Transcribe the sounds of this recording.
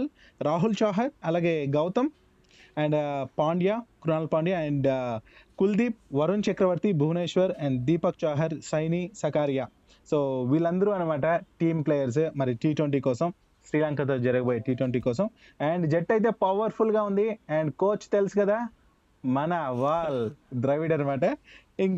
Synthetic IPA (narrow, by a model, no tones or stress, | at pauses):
l | ɾaːɦult͡ʃaːɦɐɾɐlaːɡe̞ːɡɐwt̪ɐm | ɛːɳɖpaːɳɖjaːkɾunaːlpaːɳɖjaːɛɳɖkuld̪iːp̚ʋɐɾunt͡ʃɐkɾɐʋɐɾt̪ibʱuːneːʃʋɐɾɛɳɖd̪iːpɐk̚t͡ʃaːɦɐɾsɐjnisɐkaːɾjaː | soːʋiːlːɐnd̪ɐɾuɐnɐmaːʈɐʈiːmpleːjɐɾs̬mɐɾiʈiːʈʋɐɳʈiːkɔːsɐm | sɾiːlaːŋkat̪̬oːd͡ʒɐɾɐɡɐboːjeʈiːʈwɐɳʈiːkɔːs̬ɐm | ɛːɳɖd͡ʒɛʈːɐjt̪̬e̞ːpɐʋɐɾpʰulɡaːund̪iɛːɳɖkoːt͡ʃːt̪elsikɐd̪aː | mɐnɐʋaːld̪ɾɐjʋiɽɐnɐmaːʈɐ | iŋ